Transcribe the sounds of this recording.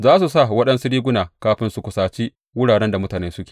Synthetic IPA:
zaː˦s̬u˨sa˦˨wɐ˦ɗɐ˦nsʊ˦ɽiː˦ɡʷʊ˦naː˨kaː˦ɸɪ˦nsu˦kʷʊ˨saː˨t͡ʃi˦ | wʊ˦ɽaː˨ɽɛ˦nda˨mʊ˦taː˨neː˦sʊ˦kʲe̥ː˨

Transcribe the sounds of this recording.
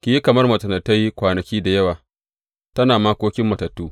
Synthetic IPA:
kʲi˨ji˦kɐ˨mɐ˦rmɐ˨tɐ˨nɐ˨tːɐ˦jkʷaː˨nɐ˨kʲiː˦da˨jɐ˦waː˨ | tɐ˦naː˨maː˦kʷoː˦kʲɪ˦mːɐ˨tɐ˨tːuː˦

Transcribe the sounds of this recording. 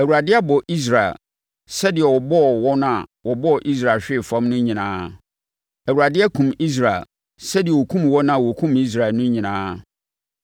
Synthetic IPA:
æ˨u˨ɾa˨dɪ˦a˦bɔ˨ʔi˦s̬ɾa˨ɪ̰˨l | sɛ˦dɪ˨ɛ˨wɔ˨bɔ˦˨wɔ˦nã˦˨wɔ˨bɔ˦ɔ˨ʔi˦s̬ɾa˨lɕᶣɪ˦˨fã˦mnʊ̃˦ɲĩ˨nãː˦ | æ˨wu˨ɾa˨dɪ˦ɛ˦kʰũ˨mi˦s̬ɾa˨ɪ̰˨l | sɛ˦dɪ˨ɛ˨wɔ˨kʰũ˦mwɔ˦nã˦˨wɔ˨kʰũ˦mi˦s̬ɾa˨nʊ̃˦ɲĩ˨nãː˦

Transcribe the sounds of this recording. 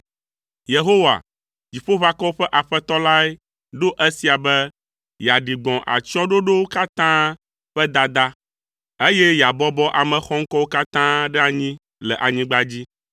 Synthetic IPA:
je˨ɦo˦wa̰˨ | d͡ʑi˨ɸo˦βa˦kɔ˦wo˦ɸɛ˦ʔa˨ɸɛ˦t̪ɔ˦la˦ɛ˦ | ɖo˦ʔe˦si˨a˨bɛ˦ | ja˨ɖi˨ɡ͡bɔ̃˨ʔa̰˨t͡ʃɔ̃˦ɖo˦ɖo˦wo˦ka˦t̪ã˦ | ɸɛ˦d̪a˦d̪a˦ | e˦je˦ja˨bɔ˦bɔ˦ʔa˨mɛ̃˨xɔ˦ŋ̩˦kɔ˦wo˦ka˦t̪ã˦ɖɛ˦a˨ɲĩ˦ | lɛ˨ʔa˨ɲĩ˦ɡ͡ba˦d͡ʑi˦

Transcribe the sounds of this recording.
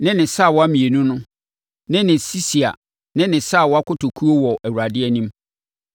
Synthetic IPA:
nɪ̃˦nɪ̃˨sa˦˨wɔ˦a˦mĩ˨e˨nũ˦nʊ̃˦ | nɪ̃˦nɪ̃˨si˦si˨a̰˨ | nɪ̃˦nɪ̃˨sa˦˨wɔ˦a˦kʊ˦tʰo˨kʰu˦o˦wɔ˨ʔæ˨wu˨ɾa˨dɪ˦ɛ˦nĩ˦m

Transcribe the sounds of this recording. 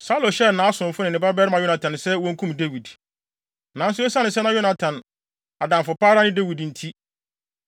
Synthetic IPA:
sa˦lo˨ɕɛ˦nã˨˦a˦sʊ̃˨m˨fʊ˦nɪ̃˨nɪ̃˨ba˦bɛ˦ɾmã˨jo˦na˨tʰã˨nsɛ˦wɔ̃˦ŋ̩˦kʰũ˦mde˦wi˨d | nã˨n̩˦s̬ʊ˦ɛ˦sã˦nɪ̃˨s̬ɛ˦nã˦jo˦na˨tʰã˨n | a˨dã˨mfʊ˨paː˦ɾa˦nɪ̃˦de˦wi˨dn̩˨tʰi˦

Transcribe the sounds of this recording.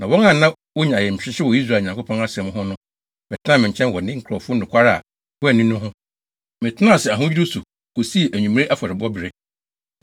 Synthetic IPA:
nã˨wɔ̃˦ŋã˨nã˦ | wo˦ɲã˨jɛ˨m̩˨t͡ɕᶣɪ˦ɕɪ˦wɔ˨i˦s̬ɾaː˨ɲã˨ŋkʰo˦pʰɔ̃˦na˦sɪ˨ɛ˨m˦ɦʊ̃˦nʊ̃˦ | mɪ̃˨tʰɪ˦nã˦mɪ̃˨ɲ̩˨t͡ɕʰɛ̃˦n˨wɔ˨nɪ̃˦ŋ̩˦kʰɾɔ˨fʊ˦˨ʊ̃˨kʷʰa˦ɾa˦˨a̰˨ | wʊ˦ɛ˦˨nĩ˦nʊ̃˦ɦʊ̃˦ | mɪ̃˨tʰɪ˦nã˦˨sɛ˨a˨ɦʊ̃˦ɥi˦ɾʊ˦su˨ | ko˨si˦e˨ʔæ˨ɲũ˨m˦e˦ʔa˦fɔ˨ɾɪ˨bɔ˦bɪ˨ɾɪ˦

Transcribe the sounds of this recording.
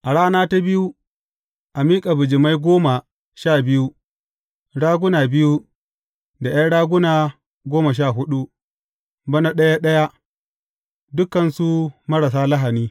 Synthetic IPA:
ʔa˨ɽaː˦naː˦ta˦bɪ˦ju˦ | ʔa˨miː˦kʼa˨bʊ˨d͡ʒɪ˨ma˦jɡʷoː˦ma˨ | ʃaː˦˨bɪ˦ju˦ | ɽaː˦ɡʷʊ˦naː˨bɪ˦ju˦ | da˨ja˦ɽaː˦ɡʷʊ˦naː˨ | ɡʷoː˦ma˨ʃ̬aː˦˨ɦʊ˦ɗu˦ | bɐ˦na˦ɗɐ˦ja˦ɗɐ˦ja˦ | dʊ˦kːɐ˨nsu˦mɐ˦ɽɐ˨s̬aː˦la˦ɦa˨niː˦

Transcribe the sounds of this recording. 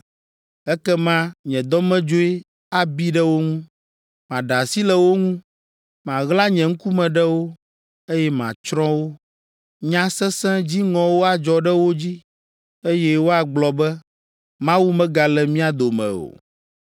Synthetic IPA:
ɛ˦kɛ˦mã˦ɲɛ̃˨d̪ɔ˦mɛ̃˦d͡ʒo˦e˦ | a˨bi˦ɖɛ˦wo˦ŋũ˦ | mã˨ɖa˨si˦lɛ˨wo˦ŋũ˦ | mã˨ɣla˦ɲɛ̃˨ŋ̩̃˦ku˦mɛ̃˨ɖɛ˦wo˦ | e˦jɛ˦mã̰˨t͡ʃɾɔ̃˦wo˦ | ɲã˦sɛ˦sɛ̃˦d͡ʑi˦ŋɔ̃˨wo˦a˨d͡ʒɔ˨ɖɛ˦wo˦d͡ʑi˦ | e˦jɛ˦wo˦a˨ɡ͡blɔ˨bɛ˦ | mã˦wu˦mɛ̃˦ɡa˨lɛ˨mĩ˦a˨d̪o˨mɛ̰̃˨o̰˨

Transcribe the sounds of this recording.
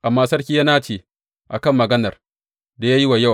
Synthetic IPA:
ʔa˨mːaː˦sɐ˦rkʲi˦ja˦naː˦t͡ʃeː˨ | ʔa̰˨kɐ˦˨mːɐ˨ɡɐ˦nɐ˨r | da˨jaː˦ji˦wa˨ja˦˨

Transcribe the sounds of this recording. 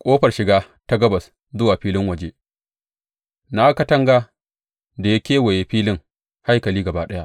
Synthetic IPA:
kʷʼoː˦ɸɐ˨rʃɪ˨ɡaː˦ | ta˦ɡɐ˦bɐ˨s | zʊ˦waː˨ɸiː˦lɪ˦ŋwɐ˨d͡ʒeː˦ | na˦kɐ˦tɐ˦ŋɡaː˦ | da˨ja˦kʲeː˦wɐ˨je˨ɸiː˦lɪ˦ŋ | ha˦jkɐ˨liː˦ɡɐ˨baː˦ɗɐ˦ja˦ʔ

